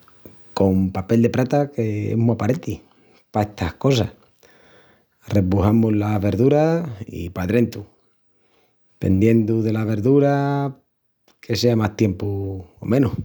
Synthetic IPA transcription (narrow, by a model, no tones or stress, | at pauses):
ko̞mpape̞ld̪e̞pɾat̪ake̞ḛmuapaɾet̪i | pae̞ht̪ʰahko̞sa | repuhamulaβe̞ɾðuɾaḭpaðɾe̞nt̪u | pe̞̰nd̪je̞nd̪uðe̞laβ̞e̞ɾðuɾa | kʰe̞seamaht̪je̞mpuo̰mẽ̞nu